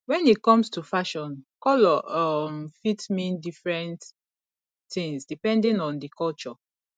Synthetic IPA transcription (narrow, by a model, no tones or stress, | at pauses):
wɛ̃nikɔ̃mstufaʃɔ̃nkɔlɔɔmfitmĩndifɹɛ̃nt | θĩŋsdipɛ̃ndĩŋɔ̃ndikʰɔlt͡ʃɔ